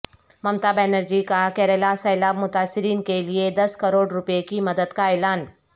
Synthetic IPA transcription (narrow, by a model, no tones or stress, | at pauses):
mɐmt̪aːbeːnəɾd͡ʒikakɛːɾeːlasɐːlaːbmʊt̪aːsɪɾiːnkelied̪ɐskɐɾoːɽɾʊpekimɐd̪əd̪kaeːlaːn